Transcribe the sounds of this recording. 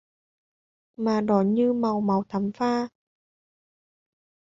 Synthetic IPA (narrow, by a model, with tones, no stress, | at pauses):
maː˨˩ɗɔ˨˦ɲɨ˧ma˨˩wma˨˩˦wt̪ʰa˨˦mfaː˧